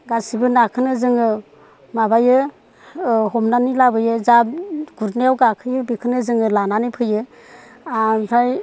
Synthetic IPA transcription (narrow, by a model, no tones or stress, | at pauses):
ɡasibɯnakʰɯnɯzɯŋɯ | mabajɯ | ɦɔmnanilabɯjɯzaɡ̥uɾneawɡakʰɯjɯbikʰɯnɯzɯŋɯlananipʰɯjɯ | apʰɾaj